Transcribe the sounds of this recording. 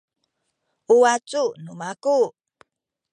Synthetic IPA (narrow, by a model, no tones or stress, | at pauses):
uat͡sunumaku